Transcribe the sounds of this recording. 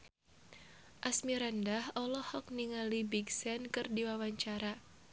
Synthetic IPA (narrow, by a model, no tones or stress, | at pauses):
ʔasmiɾandahɔlɔhɔk̚niŋalibiɡsɛnkɨrdiwawaɲt͡ʃaɾa